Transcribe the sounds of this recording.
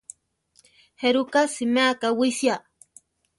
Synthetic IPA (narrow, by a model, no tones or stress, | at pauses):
heɾukasɪmaːkawisja